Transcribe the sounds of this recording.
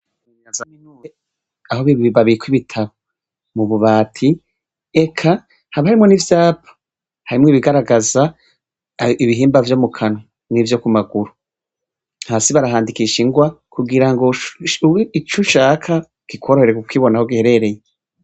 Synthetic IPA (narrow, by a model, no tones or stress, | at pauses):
iɲazaminu | ahoβiβiβaβikwiβitʰaβo | muβuβaːtʰi | e̞kʰa | haβahaɾimŋo̞nivjaːpʰḁ | haɾimŋiβiɡaɾaɡaza | iβiɦiːmbavjo̞mukʰano | nivjo̞kumaɡuɾu | haːsiβaɾaɦaːndikiʃiŋɡwakuɡiɾaŋɡo | it͡ʃuʃaːkʰa | ɡ̥ikʰoɾoheɾekukwiːβo̞nahoɡiheɾeɾe̞je